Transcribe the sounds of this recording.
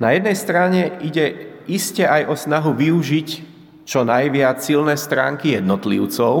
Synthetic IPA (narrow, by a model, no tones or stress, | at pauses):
najɛd̪̚nɛjst̪ɾaɲɛiɟɛʔiscɛʔajɔsnaɦuʋiuʒic | t͡ʃɔnajʋɪat͡ssilnɛːst̪ɾa̰ːŋkijɛd̪nɔt̪lḭʊt͡sɔʊ